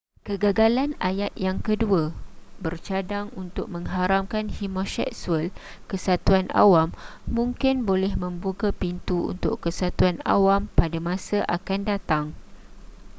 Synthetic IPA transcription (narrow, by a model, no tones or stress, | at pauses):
kəɡaɡalanajat̪̚jaŋkəduabərt͡ʃadaŋunt̪ʊk̚mə̃ŋɦaɾamkanhimõsɛ̰k̚suəl | kəsat̪uanʔa̰wamː | ũŋkɪnbolɛhmə̃mbuɡapint̪uṵnt̪ʊ̰ʔkəsat̪uana̰wampadamãsaʔakandat̪aŋ